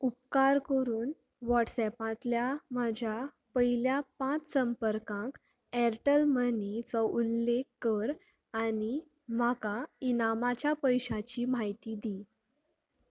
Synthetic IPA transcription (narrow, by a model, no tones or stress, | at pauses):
up̚kaɾkəɾuːn | ʋɔʈsɛpãt̪ljamad͡ʑʱja | pəɦiljapãt͡ssəmpəɾkãk | ɛɾʈəlmənit͡sɔʔulːekːəɾ | ani | m̤akainamat͡ɕjapəjɕãt͡ɕiːm̤aɦjt̪id̪i